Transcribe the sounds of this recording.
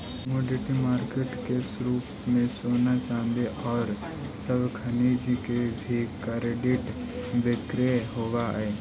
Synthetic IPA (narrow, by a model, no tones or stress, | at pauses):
moːɖɪʈimaːɾkeʈkesɾuːp | mẽsoːnat͡ʃãːnd̪eʔɔːɾ | səbkʰənid͡ʒikebʱikəɾɖɪʈ | d̪ɪkɾeɦoːʋa̰eː